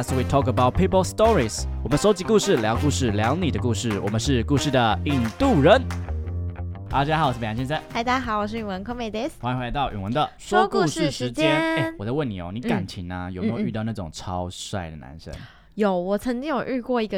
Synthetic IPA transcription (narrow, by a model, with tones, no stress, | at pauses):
swi˨˧tʰɔ˥kə˧ba˥ʊt̚pʰi˦˥pə˥lst̪ɔ˦˥ɹi˨swɔ˨˩mə˨nʂo˧˥ʊt͡ɕi˧˥ku˥˧ʂɻ̩˥˩ljɑ˧˥ʊku˥˧ʂɻ̩˥˩ljɑ˧˥ʊni˨˩d̪ə˦ku˥˧ʂɻ̩˥˩wɔ̰˨˩mə˦nʂɻ̩˥˧ku˥˧ʂɻ̩˥˩d̪ə˩i˧ŋt̪u˥˩ɻə˧˦n | a˧˥˩t͡ɕa˥a˥˨˧wʂ̩˥pe˨˩a˥ɕjɛ˥˧t͡sa˥˩ɪta˥˩ɪt̪a˥xɑ˨˧˦ʊwɔ˨˩ʂ̬ɻ̩˥˩y˨˩nwə˧˦nkʰo˥ŋme˨˩ɪt̪e˧˥sxwa˧ĩ˧xwe˧la˧t̪ɑ˥˩ʊʔy̰˨˩ŋwə˧˦nd̪ə˨ʂwɔ˥ku˥˧ʂɻ̩˥˧ʂɻ̩˧˦t͡ɕjɛ˦n˦ne˥˩wɔ˨˩ðə˧˦wə˥˩ni˨˩o̰˧˦ʊni˧˦ka˨˩nt͡ɕʰi˧˥˦ŋnə˦jo˨˩ʊme˧˦˥jy˥˧˥ʊna˥˩ʈ͡ʂʊ̰˨˩ŋʈ͡ʂʰɑ˦˥ʊʂa̰˥˩ɪd̪ə̰˩na̰˧˦nʂə̰˦˥n | jo˨˩˦ʊwɔ˨˩t͡sʰə˧˥ŋt͡ɕi˥ŋjo˨˩ʊʔɻ̩˥˧kwɔ˥˩i˧˥ɡə˧